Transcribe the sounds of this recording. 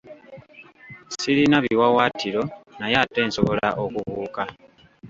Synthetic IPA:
siɾinaβiwawaːtʰiɾo̞najatːe̞ːnso̞βo̞la̰ʔokuβuːka

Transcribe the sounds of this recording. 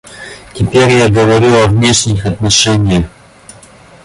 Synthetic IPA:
tʲɪpʲeɾʲjaɡəvɐɾʲilˠɐvnʲeʂnʲɪxɐt̪nɐʂɛnʲɪjəx

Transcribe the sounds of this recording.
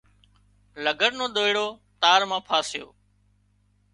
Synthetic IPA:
ləɡəɽnõːɗ̪oːɪɽoːt̪aːɾmãːpʰaːsɪjo̰ː

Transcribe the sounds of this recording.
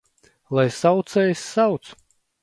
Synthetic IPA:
lˠajsawt̪sɛjsʲːawt̪s

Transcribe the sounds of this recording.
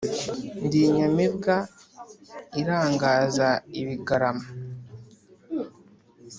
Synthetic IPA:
ndiɲamiβɡa | iɾaːŋɡaːzaiβiɡaɾama

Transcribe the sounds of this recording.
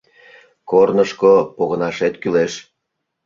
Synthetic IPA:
kornəʃkopoɣənɑʃet̪kyleʃ

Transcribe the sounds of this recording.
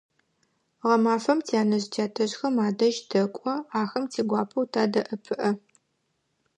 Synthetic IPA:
ʁɐmaːfɐmtʰiaːnɐʑtʰjaːtʰɐʑxɐmaːdɐʒdɐkʷʼɔaːxɐmtʰiːɡʷɑːpʰɐwtʰaːdɐʔɨpʰɨʔɐ

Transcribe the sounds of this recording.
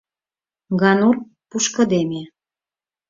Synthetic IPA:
ɣɑnur | puʃkə̆d̪eme

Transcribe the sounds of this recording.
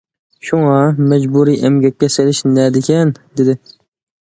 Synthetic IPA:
ʃuŋɑmɛd͡ʒbuɾiːʔɛmɡʲɛkʲːɛselɪʃnɛd̪ɪkʲɛnd̪ɪd̪ɪ

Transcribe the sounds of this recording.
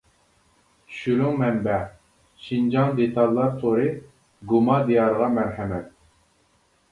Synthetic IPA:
t͡ʃʰy̥ʃyɾyŋmɛmbæ | ʃind͡ʒɑŋd̪et̪ʰɑlˠːɑɾt̪ʰoɾɨ | ɡumɑd̪ijɑɾəʁɑmɛɾħɛmɛt̪̚

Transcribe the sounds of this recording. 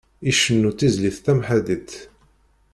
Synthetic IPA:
iʃənːut͡s̪ːizliθt̪æmħæd̪it̪

